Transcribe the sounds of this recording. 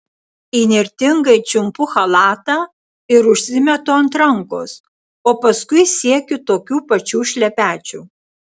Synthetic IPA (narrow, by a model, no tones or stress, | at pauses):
iːnʲɪɾʲt̪ʲɪŋɡɐɪt͡ʃʲʊmpʊxɐlˠɑːt̪ɑ | ɪɾʊʃʲsʲɪmʲɛt̪ʊɐnt̪ɾɐŋko̰ːs | oːpɐskʊɪsʲiɛkʲʊt̪oːkʲuːpɐt͡ʃʲuːʃʲlʲɛpʲæːt͡ʃʲṵː